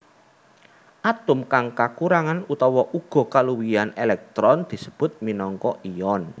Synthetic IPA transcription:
ʔat̪ʊmkaŋkakuɾaŋanut̪ɔwɔʔuɡ̥ɔ̤kaluwijanelɛk̚t̪ɾɔnd̪̥i̤sə̥b̥ʊ̤t̪̚minɔŋkɔʔijɔn

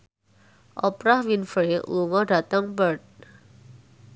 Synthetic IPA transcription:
ʔɔpɾahwinfɾeluŋɔɖa̤t̪əŋbərt̪̚

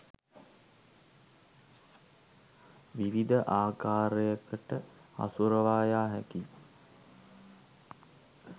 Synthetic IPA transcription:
ʋiʋid̪əʔaːkaːɾəjəkəʈəa̰suɾəʋaːjaːɦæki

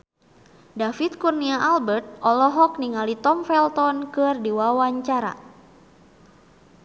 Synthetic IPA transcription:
dafit̪̚kurniaʔalbərt̪̚ɔlɔɦɔk̚niŋalit̪ɔmfɛlt̪ɔnkɨrdiwawaɲt͡ʃaɾa̰

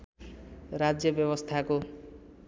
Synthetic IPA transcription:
rad͡zjʌbjʌβʌst̪ʰako

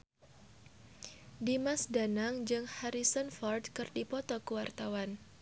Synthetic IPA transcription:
dimasdanaŋd͡ʒɨŋhaɾisɔnfɔrd̚kɨrdipɔt̪ɔkuwart̪awan

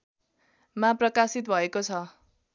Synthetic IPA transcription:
mãprʌkasit̪̚bʱʌekot͡sʰʌ

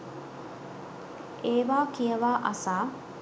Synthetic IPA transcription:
eːʋaːkijɐʋaːʔɐsaː

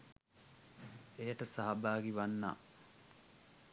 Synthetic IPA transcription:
ejəʈəsaɦabaːɡiʋanːa̰ː

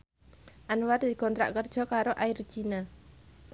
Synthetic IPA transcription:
ʔanward̪ikɔnt̪ɾa̰ʔkərd̥ʒ̥ɔ̤kaɾoʔaɪr̥d͡ʒina

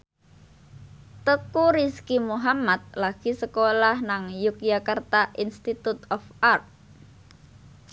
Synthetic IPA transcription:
t̪əkuɾiskimuɦamat̪̚laɡ̥i̤səkolahnaŋjukjakart̪aʔinst̪it̪ut̪ɔfart̪̚

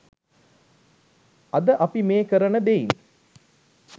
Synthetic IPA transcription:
ɐd̪əʔɐpimeːkəɾənəd̪eḭn

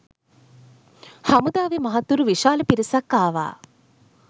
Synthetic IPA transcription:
hamud̪aːʋemɐɦat̪ːuɾuʋiʃaːləpiɾisakːaːʋa̰ː

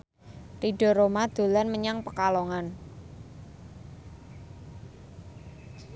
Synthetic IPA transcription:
riɖɔ̤ɾomad̪̥o̤lanməɲaŋpəkalɔŋan

